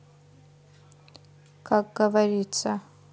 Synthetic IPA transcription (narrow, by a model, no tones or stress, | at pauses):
kaɡaβarit͡sa